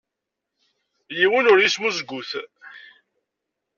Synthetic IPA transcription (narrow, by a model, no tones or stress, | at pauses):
jiwənʊɾjismuzɡʷːuθ